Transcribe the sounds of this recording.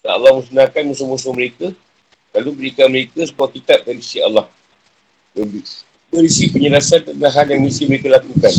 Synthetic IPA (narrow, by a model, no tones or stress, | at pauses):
daa̰lːɑhməsənãkanmũsumus̬ʊhməɾekə | lalubəɾikanməɾekəsəbuakit̪ap̚bəɾisia̰lːɑh | ləbi | bəɾisipəɲəlasant̪ət̪naɦanjaŋmisiməɾekalakukan